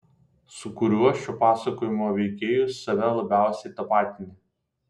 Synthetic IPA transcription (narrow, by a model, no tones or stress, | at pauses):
sʊkʊɾʲuɔʃʲt͡ʃʲupɑːsɐkoːjɪmoːʋʲɛɪkʲeːjʊsɐʋʲɛlˠɐbʲæˑʊsʲɛɪt̪ɐpɑːt̪ʲɪnʲɪ